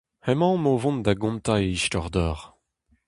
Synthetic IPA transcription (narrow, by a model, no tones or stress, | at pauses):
hɛmɑ̃movɔ̃nd̪aɡɔ̃nt̪aeiʃtɔʁd̪ɔːʁ